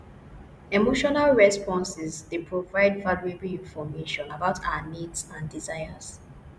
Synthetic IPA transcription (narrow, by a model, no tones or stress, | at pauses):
emoʃɔnalɹɛspɔ̃nsɛzdepʰɹovaɪdvaluebɹiĩnfɔmeʃɔ̃nabaʊtʰa̰amitsãndizaɪəz